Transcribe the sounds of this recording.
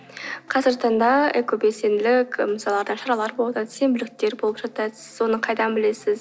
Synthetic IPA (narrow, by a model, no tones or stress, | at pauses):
qʰɑzəɾt̪ɑnd̪ɑekʲʰopese̞nd̪ɪlɪkʲməsɑlˠɑɾd̪ɑʃɑɾɑlˠɑɾbolˠd̪ɑd̪ɪ̥sembʏlɪk̚t̪ːe̞ɾbolˠəpʒɑt̪ɑsəzwo̞nəqʰɑjd̪ɑnbɪle̞sɪz